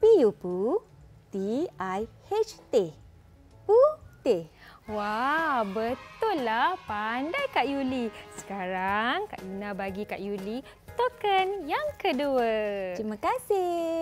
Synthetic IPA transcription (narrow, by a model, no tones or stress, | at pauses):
pijupu | t̪iʔaj | et͡ʃt̪e | put̪ewabət̪ʊlːahpandajkaʔjulisə̥kaɾaŋka̰ʔɡinãbaɡikaʔjuli | t̪okənjaŋkəduəɾimãkasɪ